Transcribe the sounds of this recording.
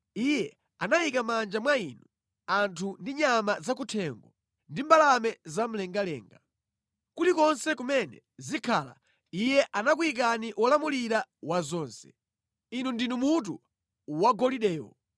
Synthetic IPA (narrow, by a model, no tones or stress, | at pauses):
ijɛ | anaikamand͡ʒamwainu | antʰundiɲamazak̬utʰɛŋɡɔ | ndimbalamɛzam̩lɛŋɡalɛ̰ːŋɡa | kutikɔnsɛkumɛnɛ̰ | zikʰala̰ | ijɛʔanakuik̬aniʔwɔlamuliɾawazɔːnsɛ̥ | inundinumut̬u | waɡɔliɗɛːwɔ̰